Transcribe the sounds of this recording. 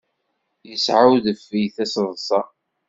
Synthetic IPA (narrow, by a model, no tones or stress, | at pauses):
jəsʕawðəfijθæsðˤsˤɑ